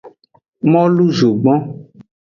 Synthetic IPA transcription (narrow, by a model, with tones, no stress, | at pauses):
mɔ̃˦lu˦zo˨ɡ͡bɔ̃˦